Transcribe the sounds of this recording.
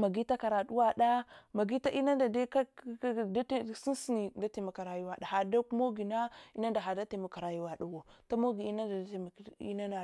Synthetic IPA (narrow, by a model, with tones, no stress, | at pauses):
ma˨ɡi˦ta˦ka˨ɾa˨ɗu˦wa˦ɗa˦ma˨ɡi˦ta˦ʔi˦na˦da˨de˦ka˦˨da˦tsi˦n˦si˦ni˨da˦te˨ma˨ka˨ɾa˨ju˦wa˨da˨ha˨da˦ku˦mo˦ɡi˨na˦i˦na˦nda˨ɦa˨da˦te˨ma˨ka˨ɾa˨ju˦wa˨ɗa˨wo˨ta˦mo˦ɡi˨i˦na˦da˨˦˨m˨ḭ˦na˦na˨